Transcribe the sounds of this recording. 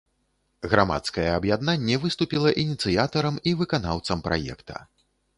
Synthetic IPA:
ɣɾama̰t̪skɐjɛɐbjad̪nanʲːɛvɨst̪upʲilˠɐʔinʲit̪sɨjat̪ɐɾɐmivɨkanawt̪sɐmpɾʔa̰jɛ̰kt̪ʰɐ̥̰

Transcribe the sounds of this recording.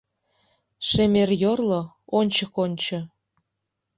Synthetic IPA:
ʃemerjorlo | onʲt͡ɕə̆konʲt͡ɕɤ̆

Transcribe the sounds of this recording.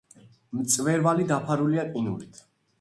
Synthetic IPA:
mt̪sʼvɛɾvalid̪apʰaɾuliakʼinṵɾit̪ʰ

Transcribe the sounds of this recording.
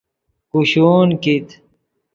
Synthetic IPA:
kuɕoːnkit̪

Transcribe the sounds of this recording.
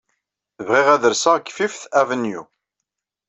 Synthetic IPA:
θəvʁɪʁæðəɾsaʁɡfifθævənjṵ

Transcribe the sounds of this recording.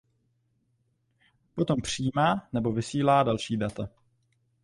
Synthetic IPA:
po̞t̪o̞mpr̝̥iːmaːnɛbo̞vɪsiːlaːdalʃiːdat̪a

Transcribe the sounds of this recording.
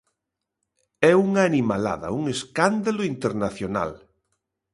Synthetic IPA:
ɛuŋaːnimala̰ðɐ̰uŋeskand̪aloint̪eɾnaθjona̰l

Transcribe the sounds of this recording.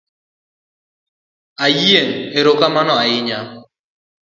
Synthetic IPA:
ajeŋeɾokamanɔaɪɲa

